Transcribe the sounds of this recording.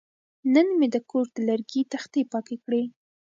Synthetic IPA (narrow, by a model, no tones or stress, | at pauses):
nənmed̪əkoɾd̪̥əlaɾɡit̪axt̪epɑkekɽe